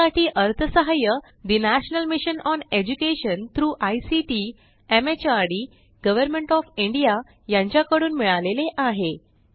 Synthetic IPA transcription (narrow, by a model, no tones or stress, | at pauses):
aʈʰiːʔəɾt̪ʰəsəɦajə | d̪inæɕnəlmiɕənɔned͡ʑukeɕənt̪ɾuːʔajsiʈi | emet͡ɕaɾɽi | ɡəʋəɾmeɳʈɔfiɳɖija | jãɲt͡ɕjakəɽuːnmiɭaleleʔaɦe